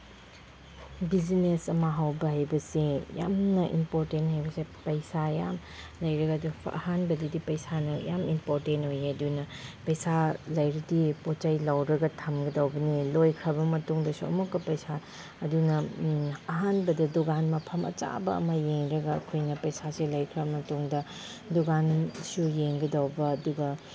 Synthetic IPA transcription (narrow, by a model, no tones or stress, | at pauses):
bid͡ʒinesɐmɐɦawbɐɦajbɐseja̰mnɐʔḭmpoɾtenthajbɐsepɐjsaja̰m | lɐjɾɐɡɐduɐ̰hanbɐdidipɐjsanɐja̰mimpoɾtentojeɐdunɐpɐjsalɐjɾɐdipot͡ʃajlawɾɐɡɐtʰɐmɡɐdawbɐnilojkʰɾɐbɐmɐtuŋdɐsuɐ̰mukːɐpɐjsa | ɐdunɐ | ɐɦanbɐdɐduɡanmɐpʰɐmɐ̰t͡ʃa̰bɐɐ̰mɐjeŋɾɐɡɐ̰ːkʰojnɐpɐjsaselɐjkʰɾɐbɐmɐtuŋdɐ | duɡansujeŋɡɐdawbɐːduɡɐ